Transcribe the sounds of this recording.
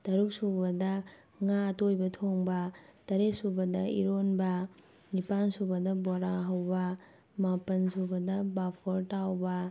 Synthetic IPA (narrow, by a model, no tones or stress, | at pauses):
tɐɾuk̚subɐdɐ | ŋatojbɐtʰoŋbɐtɐɾesubɐdɐiɾonbɐ | nipansubɐdɐboɾaɦɐwbɐ | mapɐnsubɐdɐbapʰoɾtawbɐ